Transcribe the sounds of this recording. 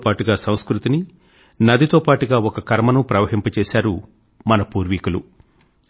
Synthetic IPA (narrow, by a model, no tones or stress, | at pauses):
paːʈuɡaːsɐw̃skɾut̪ini | nɐd̪ʱit̪oːpaːʈuɡaːɔkɐkɐɾmɐnupɾɐʋɐɦimpɐt͡ʃɛːsaːɾu | mɐnɐpuːɾʋikulu